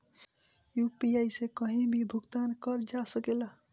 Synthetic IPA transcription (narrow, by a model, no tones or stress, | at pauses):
jupiajsekʌɦĩbʱibʱuɡt̪ankʌɾd͡ʒasəkela